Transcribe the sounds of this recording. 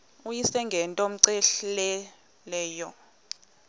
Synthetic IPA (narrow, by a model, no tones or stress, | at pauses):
ujisɛŋɡʱɛntʼɔm̩ǀɛɬlɛ | lɛːjɔ